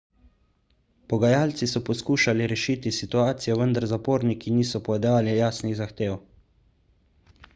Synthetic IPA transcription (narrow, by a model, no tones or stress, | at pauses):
pɔɡajaːlt̪sisɔpɔskuːʃaliɾɛʃiːt̪isit̪uaːt̪sijɔʋənd̪aɾzapoːɾnikiniːsɔpɔɛd̪aːlijaːsniɣzaxt̪eːw